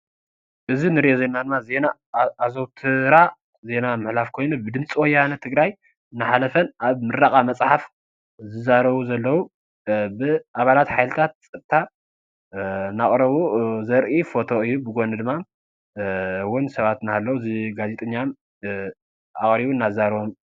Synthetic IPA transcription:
ʔɨzinɨɾjozenad̪ɨmːaze̞naː | zowt̪ʰɨɾa | ze̞namɨħlafkʰo̞jnubɨd̪ɨnt͡sʼwɔjːanɐt̪ʰɨɡɾaj | ɨnːɨħalɐfɐnʔaβmɨɾakʼamɐt͡sʼħaf | zɨzaɾɐβuzɐlːɐwu | bɨaβalat̪ħajlɨt̪ʰat̪̚t͡sʼɨb̚t̪ʰa | naχʼɾɐβuzɐɾʔifo̞t̪ʰo̞ɨjːubɨɡonɨd̪ɨmːa | wʊnsɐβat̪naalːɐwuziɡazet̪ʼɐɲːam | aχʼɾiβuɨnːazaɾβom

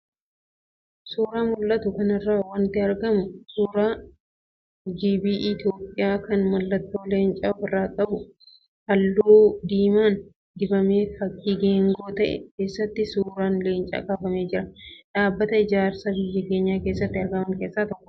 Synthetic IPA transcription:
suːɾaːmʊlːɐt̪ʊkɐnɪrːaːwɐnt̪ɪɐɾɡɐmʊsuːɾaː | d͡ʒiːbiːʔɪt̪joːpʼːɪjaːkɐnmɐlːɐt̪ːo̞ːle̞ːnt͡ʃʼɐɔfɪrːaːkʼɐbʊ | ʔɐlːuːd̪iːmaːn | d̪ɪbɐmeːfɐkʼːiːɡeːŋɡo̞ːt̪ɐʔɛ̰ke̞ːsːɐt̪ːɪsuːɾaːnle̞ːnt͡ʃʼɐ̰ːkʼaːfɐme̞ːd͡ʒɪɾɐᶑaːbːɐt̪ɐɪd͡ʒaːɾsɐbɪjːɐke̞ːɲːaːke̞ːsːɐt̪ːɪɐɾɡɐmɐŋkeːsːaːt̪ɔkːʊ̥

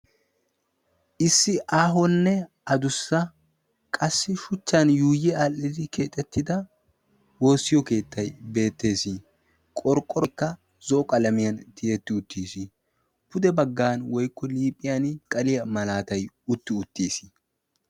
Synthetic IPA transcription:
ʔɪsːɪʔaːɦɔnːɛ | ɐd̪ʊsːɐ | kʼɐsːɪʃʊt͡ʃːɐnjuːjɛalːɪd̪ɪkʰe̞ːt̪ʼːɛt̪ːɪd̪ɐ | wo̞ːsːɪjɔke̞ːt̪ːɐjbe̞ːt̪ːe̞ːsi | kʼɔɾkʼːɔɾɔkːɐ | zɔːkʼɐlɐmɪjɐnt̪ɪet̪ːɪʊt̪ːiːsi | pʊd̪ɛbɐɡːaːnwɔjkːɔliːpʼːɪjɐnkʼɐlɪjɐmɐlaːt̪ɐj | ʊt̪ːɪʊt̪ːiːsɪ̥

